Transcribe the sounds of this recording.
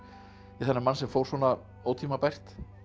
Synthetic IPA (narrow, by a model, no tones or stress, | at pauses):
iθɛnːɪɾmansɛmfowɾsvɔːna | oːwt̪ʰimapɛr̥t̪